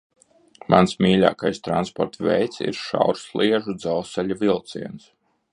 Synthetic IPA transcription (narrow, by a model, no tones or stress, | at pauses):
mʔansmʲiːlʲa̰ːkajst̪ɾanspɔɾt̪vʲɛ̰jt̪sḭɾʃa̰wɾslˠiɛʒud̪zalˠsɛlʲuvʲilˠt̪siɛns